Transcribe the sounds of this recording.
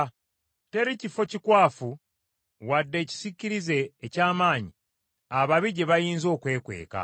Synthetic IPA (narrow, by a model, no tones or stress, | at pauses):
te̞ɾicifo̞cikwaːfu | wadːe̞ːci̥sicːiɾize̞ːcaːmaːɲi | aβaβiɟeβajiːnzo̞ːkwe̞ːkwe̞̰ːka̰